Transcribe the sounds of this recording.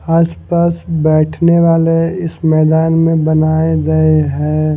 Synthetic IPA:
aːspaːsbɛːʈʰneʋaːleɪsmɛːd̪aːnmẽbənaːeɡəeɦɛː

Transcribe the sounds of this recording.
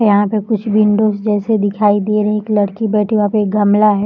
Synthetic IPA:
jɐɦãpekʊt͡ʃʰbɪɳɖõsd͡ʒɛːsed̪ɪkʰaːid̪eɾɐɦɛ̃eːklɐɽkibɛːʈʰiʋɐɦãpeeːk̚ɡʱɐmlaɦɛː

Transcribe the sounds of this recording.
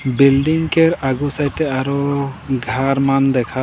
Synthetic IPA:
bilɖiŋkɛɾaɡusajtɛaɾɔɡʱaɾmand̪ɛkʰa

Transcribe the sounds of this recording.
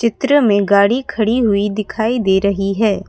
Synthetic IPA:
t͡ʃɪt̪ɾəmẽɡaːɽikʰɐɽiɦʊid̪ɪkʰaːid̪eːɾɐɦiɦɛː

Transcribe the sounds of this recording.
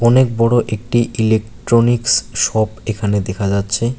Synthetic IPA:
ɔnek̚bɔɽoʔek̚ʈiʔilek̚ʈɾoniksʃɔpekʰaned̪ekʰad͡ʑatːɕʰe

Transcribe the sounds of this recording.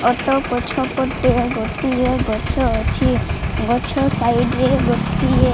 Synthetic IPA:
ɔt̪ɔpɔt͡ʃʰɔpɔt̪eeɡot̪ieɡɔt͡ʃʰɔt͡ʃʰiɡɔt͡ʃʰɔsajɖeɡot̪ie

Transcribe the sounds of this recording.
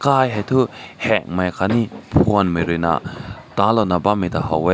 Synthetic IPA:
kajɦajt̪ʰuhɛk̚majkʰanipʰuənmɯjɾɯjna̰t̪alɔnabamit̪aha̰we

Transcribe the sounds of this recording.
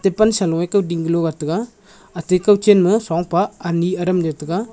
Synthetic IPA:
tepansalɔŋejkawdiŋɡɯlɔɡatɯɡaː | tekawt͡ʃenmɯsaŋpaːniɐɾamd͡ʒatɯɡa

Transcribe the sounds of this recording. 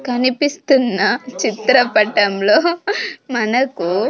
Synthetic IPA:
kɐnipist̪unːɐt͡ʃit̪ɾɐpɐʈɐmlo̞ːmɐnɐku

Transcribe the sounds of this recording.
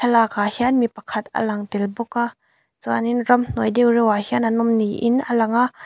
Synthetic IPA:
tʰɐlaːkahianmipɐkʰɐt̪ʔə̰lɐŋt̪ilbʊka | t͡saninrɐmn̥ɔjdewrɛwahiananɔmniʔɪnəlɐŋaʔ

